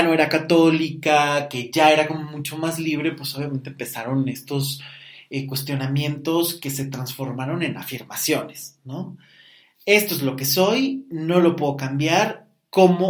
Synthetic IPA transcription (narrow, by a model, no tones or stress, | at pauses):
no̞e̞ɾakat̪o̞likake̞ʝae̞ɾako̞mo̞mut͡ʃo̞mazliβ̞ɾe̞pweso̞β̞jame̞nt̪empe̞saɾo̞ne̞st̪o̞sekwe̞st̪jo̞namje̞nt̪o̞ske̞se̞t̪ɾansfo̞ɾmaɾo̞ne̞na̰fiɾmasjo̞ne̞̥sno̞ | e̞st̪oe̞zlo̞ke̞so̞jno̞lo̞pwe̞ðokambjaɾ | ko̞mo